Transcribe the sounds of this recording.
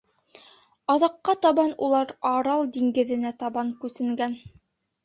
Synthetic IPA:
ɑðɑqːɑt̪ɑβɑnulˠɑɾɑɾɑlˠd̪iŋɡɘ̆ðɘ̆næt̪ɑβɑŋkʉθɘ̆ŋɡæn

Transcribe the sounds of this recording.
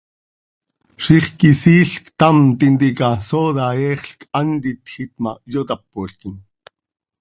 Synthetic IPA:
ʃiχkisiːɬkt̪ɑmt̪int̪ikɑsoðɑɛːχɬkʰɑnt̪it̪xit̪majot̪ɑpːoɬkin

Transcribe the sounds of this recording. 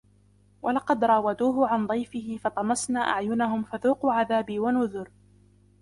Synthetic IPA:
wʔalɑqɑd̪ɾˤɑːwad̪uːɦʊʕand̪ˤɑjfɪhɪfɑt̪ˤɑmɑsnaːʔaʕjʊnaɦʊmfaðuːqʊːʕaðaːbiwanʊðʊɾ

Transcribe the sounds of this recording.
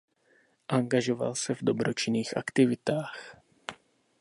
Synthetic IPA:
ʔaŋɡaʒo̞va̰lsɛvdo̞bɾot͡ʃɪniːxʔa̰kt̪ɪvɪt̪aːx

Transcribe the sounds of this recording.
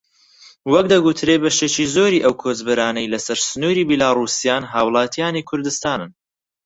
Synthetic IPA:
wɐk̚d̪ɐɡut̪ʰɾebɐʃeːt͡ʃiːzoːɾiːʔɐwkʰoːzbɨɾaːnɐjlɐsɐɾsɨnuːɾiːbilaːruːsijaːnɦaːwlˠɑːt̪ʰijaːniːkʰʊɾd̪ɨst̪aːnɨn

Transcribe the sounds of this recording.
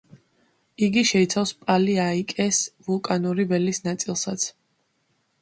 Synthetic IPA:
iɡiʃɛit̪sʰafspʼaliaikʼɛsvulˠkʼanuɾibɛlisnat̪sʼilˠsat̪sʰ

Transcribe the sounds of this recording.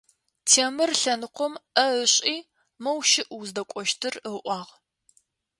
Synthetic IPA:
tʰeːmɨrɬɐnɨqʷʊmɐəɕʼiː | mɐwʃɪʔuzdɐkʷʼɔʃtʰɨrəʔʷɑːʁ

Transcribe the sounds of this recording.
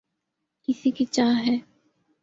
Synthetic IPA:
kɪsikit͡ʃaːɦɛː

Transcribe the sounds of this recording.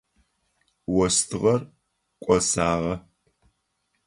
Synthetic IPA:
wɔstʰɨʁɐr | kʷʼɔsaːʁɐ

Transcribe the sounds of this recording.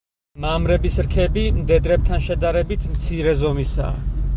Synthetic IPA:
mamɾɛbisɾkʰɛbimd̪ɛd̪ɾɛp̚t̪ʰanʃɛd̪aɾɛbit̪ʰmt̪sʰiɾɛzɔmisa̰ː

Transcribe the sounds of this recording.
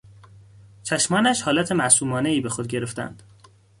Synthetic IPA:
t͡ʃʰæʃmɒːnæʃhɒːlæt̪ʰe̞mæsuːmɒːneiːbe̞xod̪̚ɟe̞ɾe̞ft̪æ̰nd̪̥

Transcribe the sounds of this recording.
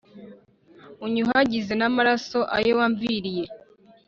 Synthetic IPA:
uɲuɦaɟize̞namaɾaso̞ʔa̰jowaɱviɾije̞

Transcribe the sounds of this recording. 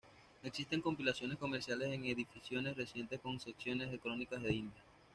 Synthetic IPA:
e̞ksist̪e̞ŋko̞mpilasjo̞ne̞sko̞me̞ɾsjale̞se̞ŋe̞ðifisjo̞ne̞sre̞sje̞nt̪esko̞ŋse̞ksjo̞ne̞zðe̞kɾo̞nikazðeind̪ja

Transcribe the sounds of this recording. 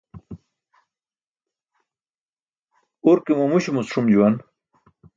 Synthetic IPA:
uɾkemɐmuɕumusʂumd͡ʑuwan

